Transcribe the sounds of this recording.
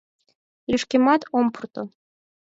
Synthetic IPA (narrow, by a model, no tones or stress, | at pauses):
lʲyʃkemɑt̪ompurt̪o